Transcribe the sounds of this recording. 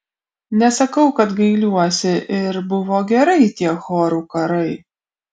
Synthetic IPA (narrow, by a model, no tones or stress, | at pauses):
nʲɛsɐkɐʊkɐt̪ɡɐɪlʲuɔsʲɪʔɪɾbʊʋoːɡʲɛɾɐɪt̪ʲiɛxoːɾukɐɾɐɪ